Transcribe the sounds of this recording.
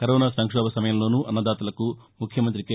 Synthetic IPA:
kɐɾɔːnaːsɐŋkʂɔːbʱɐsɐmɐjɐmlo̞ːnuːʔɐnːɐd̪aːt̪ɐlɐkumukʰjɐmɐnt̪ɾike

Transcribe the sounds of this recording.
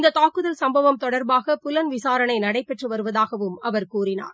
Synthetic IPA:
ɪnd̪ɐt̪aːkɯðɐlsɐmbɐʋɐmt̪ɔɽɐɾbaːɣɐpʊlɐnʋɪsaːɾɐnɐɪnɐɽɐɪpːɛʈrɯʋɐɾɯʋɐðaːɣɐʋɯmɐʋɐɾkuːrɪna̰ːɾ

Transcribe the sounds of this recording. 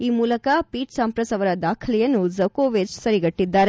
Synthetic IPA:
iːmuːlɐkɐpiːʈsɐmpɾɐsɐʋɐɾɐd̪aːkʰɐlɛjɐnːuzɐkoːʋet͡ʃsɐɾiɡɐʈːid̪ːaːɾe

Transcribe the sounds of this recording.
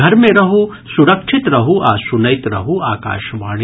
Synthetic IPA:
ɐɾmẽɾɐɦu | suɾɐkʃʰɪt̪ɾɐɦuʔa̰ːsunɐjt̪ɾɐ̰ɦuaːka̰ːʃʋaːɽ

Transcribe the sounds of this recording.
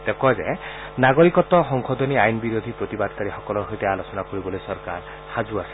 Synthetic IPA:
t̪ekɔzḛ | naɡoɾikɔt̪ɔɦɔŋkʰɔd̪ʱɔniajnbiɾod̪ʱipɾot̪ibad̪kaɾixɔkɔlɔɦojt̪ealosɔnakoɾibɔlojsɔɾka̰ɾ | had͡ʒuasɛ̥

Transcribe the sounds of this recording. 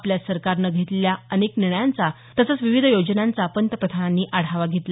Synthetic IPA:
pljasəɾkaɾnəɡʱet̪ljaənekniɳəjant͡sa | t̪əsət͡sʋiʋid̪ʱjod͡ʑənant͡sapənt̪əpɾət̪ʰananːiːʔaɽ̤aʋaɡʱet̪la

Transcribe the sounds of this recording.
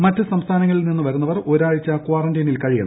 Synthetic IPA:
mɐtːɨsɐmst̪ʰaːnɐŋːɐɭilninːuʋɐɾunːɐʋɐro̞ɾaːɻit͡ɕːakwaːrɐndɐjnilkɐɻijɐnː

